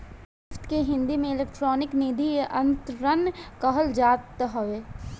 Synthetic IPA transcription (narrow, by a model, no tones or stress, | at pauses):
ʊft̪keɦɪ̃nd̪imẽɪlekʈɾɔːnɪkniːd̪ʱieʔɐnt̪ɾənkəɦəld͡ʒaːt̪ɦoʋeː